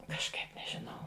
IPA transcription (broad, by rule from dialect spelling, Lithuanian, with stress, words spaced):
kɐʃˈkɐɪp nʲɛˈʒʲɪnɐʊ